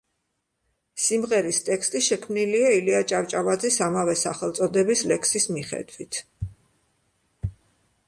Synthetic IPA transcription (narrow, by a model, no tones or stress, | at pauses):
simʁɛɾist̪ʼɛkst̪ʼiʃɛkʰmniliailiat͡ʃʼavt͡ʃʼavad̪zisamavɛsaχɛlˠt̪sʼɔd̪ɛbislɛksismiχɛ̰d̪wit̪ʰ